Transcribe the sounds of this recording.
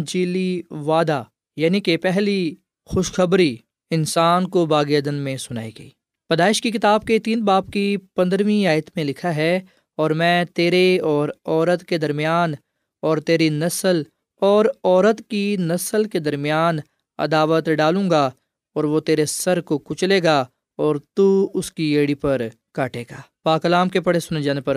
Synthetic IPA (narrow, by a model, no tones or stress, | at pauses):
d͡ʒiːliʋaːd̪a | jaːnikepɛɦli | xʊʃxɐbɾi | ɪnsaːnkobaːɡeːd̪ənmẽsʊna̰ːiɡɐḭː | pɐd̪aːɪʃkikɪt̪aːb̚ket̪iːnbaːpkipɐ̃nd̪ɾʋĩaːjət̪mẽlɪkʰaɦɛ | ɔːɾmɛ̃ːt̪eːɾeɔːɾɔːɾət̪ked̪ɐɾmijaːn | ɔːɾt̪eːɾinɐsəl | ɔːɾɔːɾət̪kinɐsəlked̪ɐɾmjaːn | ɐ̰d̪aːʋət̪ɖaːlũːŋɡa | ɔːɾʋot̪eːɾesɐɾkokʊt͡ʃleːɡaː | ɔːɾt̪uʊskieːɽipɐɾ | kaːʈeːɡaːpaːkəlaːmkepɐɽesʊned͡ʒaːnepɐɾ